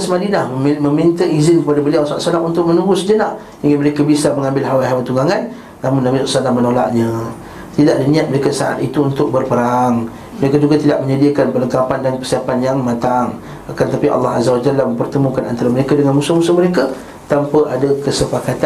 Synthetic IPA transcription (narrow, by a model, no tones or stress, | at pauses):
səmadilahməmint̪əizɪnkəpadabəliawsɔa̰ʔsalaʔunt̪ʊk̚mənuɡʊsd͡ʒənaʔ | d͡ʒəŋanməɾekabisaməŋãmbɪlɦawaɦawat̪uŋɡaŋanː | amʊnːamisɔ̰ʔsanamənola̰ʔɲə | t̪idaʔ̚dinĩat̪̚məɾekasaʔa̰t̪it̪uːnt̪ʊk̚bərpəɾaŋ | məɾekad͡ʒuɡat̪idaʔməɲədiakanpələŋkapandankərsiapanjaŋmat̪aŋ | akant̪apiʔɑ̰lːɑɦa̰zawad͡ʒalːahmə̃mpərt̪əmũkana̰nt̪aɾaməɾekadəŋanmusumusuməɾeka | t̪ampəʔadakəsəpakat̪a